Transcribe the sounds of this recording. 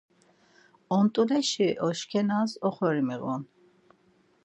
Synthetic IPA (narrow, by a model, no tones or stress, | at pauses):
ɔnt̪ʼulɛʃiʔɔʃkʰɛnazɔχɔɾimiɣɔn